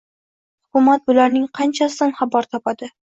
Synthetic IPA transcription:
hʊkʊmat̪̚bʊlaɾnɪŋqʰɑnt͡ʃʰasɪd̪anχɑbɒɾt̪ʰɒpad̪ɪ

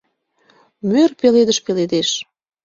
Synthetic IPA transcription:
mørpeled̪əʃpeled̪eʃ

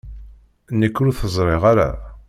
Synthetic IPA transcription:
nəkːɾuθəzˤɾˤeʁaɾa̰

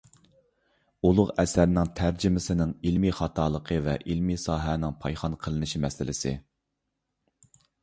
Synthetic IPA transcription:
ulˠʊqɛsæɾnɪŋt̪ʰæɾd͡ʒɪmɪsɪnɪŋilmiχɑt̪ʰɑːlˠəqʰəvɛʔilmisɑːɦɛnɪŋpʰɑjχɑnqʰəlˠɨnɨʃimɛsɪlɪ̰sɪ̰

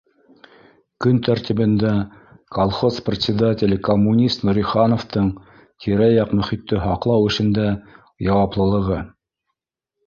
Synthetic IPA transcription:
kɵnt̪æɾt̪iβɘ̆nd̪æ | kolˠχosprʲɪt̪ʲsʲɪd̪atʲɪlʲkomːunʲist̪nuɾʲiχɑnoft̪ɤɴ | t̪ʲʰiɾæjɑqmɵ̆χit̪ːɘɦɑqlˠɑwɘ̆ʃɘ̆nd̪æ | jɑwɑplˠɤ̆lˠɤ̆ʁɤ

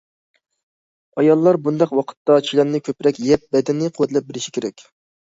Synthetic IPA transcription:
ɑjɑlˠːɑɾbund̪ɑqwɑqʰə̥t̪ːɑt͡ʃʰilænnɪkʲʰøpɾɛkʲjɛp̚bɛd̪ɛnːɪqʰʊwɛt̪lɛp̚bɪɾɪʃi̥kʲʰeɾɛkʲ

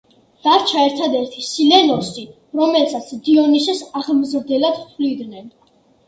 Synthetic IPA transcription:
v̥aɾt͡ʃʰaɛɾt̪ʰad̪ɛɾt̪ʰisilɛnɔsi | ɾɔmɛlsat̪sʰd̪iɔnisɛsaʁmzɾd̪ɛlad̪t̪ʰlid̪nɛn

